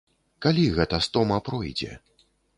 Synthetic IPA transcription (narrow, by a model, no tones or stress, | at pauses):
kalʲiɣɛt̪ɐst̪ɔmɐpɾɔjd͡zʲɛ̰